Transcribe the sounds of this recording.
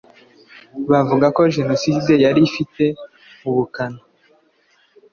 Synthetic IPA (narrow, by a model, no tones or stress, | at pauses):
βavuɡako̞ʒe̞no̞side̞jaɾifite̞ | uβukana